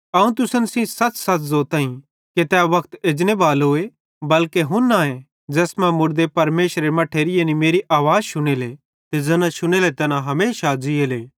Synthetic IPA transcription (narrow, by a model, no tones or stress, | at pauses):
ɐũt̪ʊsənsĩsɐt͡ssɐtzoːt̪aːĩ | ket̪ɛʋɐkʰt̪eːd͡ʒnebaːlɦoːe | bɐlkeɦʊ̃nːaẽ | d͡ʒɛːsmɛ̃mʊɾd̪epɐɾmeːʃɾemɐʈʰeːɾɪjenimeːɾiʔaːʋaːd͡zʃʊɽ̃eːle | t̪ed͡ʒɛnãʃʊɽ̃eːlet̪ɛnãɦɐmeːʃad͡ʒɪeːleː